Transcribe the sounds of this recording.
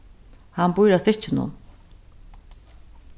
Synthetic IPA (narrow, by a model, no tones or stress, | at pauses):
hanbujɾasɪt͡ʃɪnʊ̰n